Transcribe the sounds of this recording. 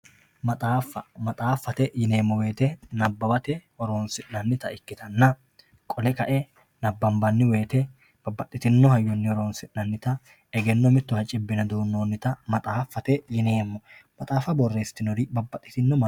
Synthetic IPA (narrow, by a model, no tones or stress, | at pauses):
mɐt̪ʼaːfːɐmɐt̪ʼaːfːɐt̪ɛjɪne̞ːmːɔweːt̪ɛnɐbːɐbɐt̪ɛhɔɾoːnsɪʔnɐnːɪt̪ɐʔɪkːɪt̪ɐnːɐ | kʼɔlɛkɐʔɛ | nɐbːɐmbɐnːɪwe̞ːt̪ɛ | b̥ɐbːɐt̪ʼːɪt̪ɪnːɔhɐjːɔnːɪɔɾoːnsɪʔnɐnːɪt̪ɐ | ɛɡɛnːɔmɪt̪ːʊhɐt͡ʃʼɪbːɪnɐd̪oːnːoːnːɪt̪ɐmɐt̪ʼaːfːɐt̪ɛjɪneːmːɔmɐt̪ʼaːfɐbɔrːe̞ːst̪ːɪnɔɾɪbɐbːɐt̪ʼːɪ̥t̪ɪnːɔmɐ